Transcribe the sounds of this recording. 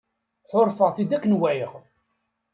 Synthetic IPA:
ħoɾˤfəʁθid̪ækːənwæjəʁ

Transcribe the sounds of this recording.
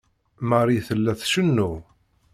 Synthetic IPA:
marˤiθəlːæθʃənːu

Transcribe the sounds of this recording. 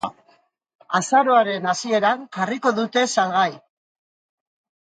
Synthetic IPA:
asaɾo̞aɾe̞nasie̞ɾaŋʝariko̞ðut̪e̞salɣaj

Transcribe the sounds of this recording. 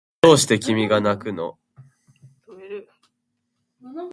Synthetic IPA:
oːɕi̥t̪e̞kʲimʲiɡanakɯ̟no̰

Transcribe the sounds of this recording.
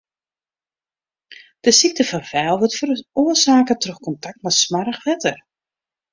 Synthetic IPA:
d̥əsik̚təfɔnfɛːlˠʋɔtfəroəsaːkətrøxkɔntak̚tmɛtsmarəxʋɛtər

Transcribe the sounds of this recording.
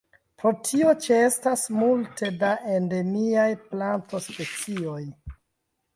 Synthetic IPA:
pɾo̞tʰio̞t͡ʃee̞stasmultʰe̞daʔende̞miajplanto̞spe̞t͡sio̞j

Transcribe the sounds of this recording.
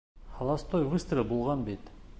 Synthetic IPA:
hɑlˠɑst̪ojʁust̪ɾɘlbulˠʁɑnbet̪

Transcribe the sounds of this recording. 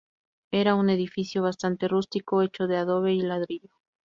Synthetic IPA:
e̞ɾaune̞ðifisjo̞β̞ast̪ant̪e̞rust̪ikoe̞t͡ʃo̞ðe̞aðo̞βe̞ilaðɾiʎo

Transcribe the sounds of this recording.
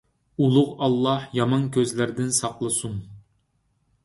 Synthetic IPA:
ulˠʊʁɑlˠːɑhjɑmɑnkʲøzlæɾd̪ɪnsɑqlˠɨsun

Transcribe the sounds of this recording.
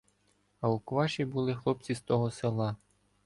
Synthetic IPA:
ɐukʋɑʃʲibulˠɪxlˠɔp̚t͡sʲist̪ɔɦɔselˠɑ

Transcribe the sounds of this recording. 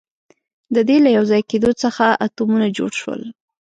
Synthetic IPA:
d̪əd̪elajawzɑjked̪ot͡səxaʔat̪omunad͡ʒo̰ɽʃwə̰l

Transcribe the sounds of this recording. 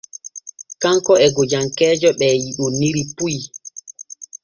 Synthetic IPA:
kaŋkɔɛɡɔd͡ʒaŋkɛːd͡ʒɔɓɛjiɗunːiɾipuj

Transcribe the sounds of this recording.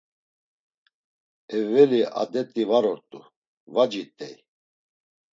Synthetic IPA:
ɛvɛlia̰d̪ɛt̪ʼivaɾɔɾt̪ʼu | vad͡ʒit̪ʼɛ̰j

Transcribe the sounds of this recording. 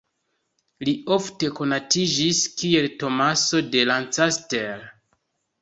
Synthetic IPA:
lio̞fte̞ko̞natid͡ʒiskie̞lto̞maso̞de̞lant͡sastel

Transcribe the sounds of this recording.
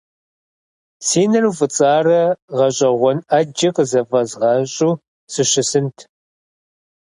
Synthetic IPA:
siːnɐrufʼɨt͡sʼaːrɐʁɐɕʼɐʁʷɔnɐd͡ʒɐqʼəzɐfɐzʁɑɕʼuː | sɨɕɪsɨntʰ

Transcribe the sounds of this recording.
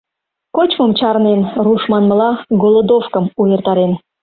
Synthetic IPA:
kot͡ɕməmt͡ɕɑɾnenruʃmɑnməlɑɡolˠod̪ofkəmujert̪ɑɾen

